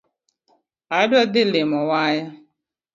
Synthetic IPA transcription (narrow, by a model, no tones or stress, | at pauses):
adɔd̪ɪlemɔwaːja